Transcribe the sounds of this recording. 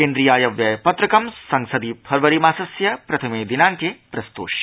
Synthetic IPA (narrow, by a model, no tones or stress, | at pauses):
keːnd̪ɾijaːjɐʋjɐjpɐt̪ɾɐkɐmsɐŋsɐd̪ipʰɐɾʋɐɾimaːsɐsjɐpɾɐt̪ʰɐmeːd̪inaːŋkepɾɐst̪o̰ːʃ